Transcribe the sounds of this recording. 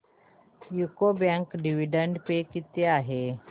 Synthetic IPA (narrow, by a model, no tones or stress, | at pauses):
jukobjãŋkɖiʋiɖəɳɖpekit̪eaɦe